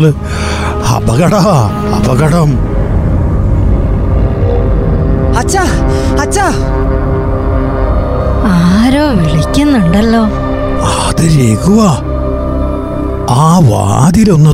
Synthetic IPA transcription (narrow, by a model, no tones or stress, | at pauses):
lɨ | ɐ̰bɐɣɐɽɐ | ɐ̰bɐɣɐɽɐm | ɐt͡ɕːa | ɐt͡ɕːa | aːɾoːʋiɭikʲːunːuɳɖɐlːoː | ɐ | ðɨɾeːɡuʋa | aːʋa̰ːd̪ilo̞nːɐ